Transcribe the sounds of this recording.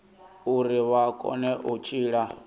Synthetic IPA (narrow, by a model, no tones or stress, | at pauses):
uɾiβakʼɔ̰nɛʔut͡ʃʼiːɺa